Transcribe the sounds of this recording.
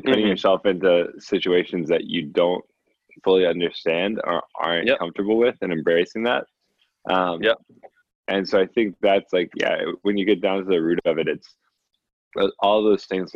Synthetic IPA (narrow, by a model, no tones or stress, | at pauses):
pʰʊɾɪ̃ŋjə˞sɛlˠfɪ̃ntʉsɪt͡ʃʉeɪʃɨ̃nzðɨt͡ʃɨdõʊ̃nt̚ | fʊlˠiʌ̃ndə˞stæ̃ndə̰˞ʔɑ̰ɹ̃nkʰʌ̃ɱftə˞bl̩ˠwɪðɨ̃nɨ̃mbeɨsɪ̃ŋðæ̰t̚ | ʔʌ̃m | ʔɨ̃nsoʊaɪθɪ̃ŋk̚ðætslaɪkjæ̰wɨ̃njɨɡɛt̚d̥ãʊ̃ntɨðɨɹʉɾʌvɛvɨɾɨ̃ns | ʔɔlˠðoʊz̥θɪ̃ŋz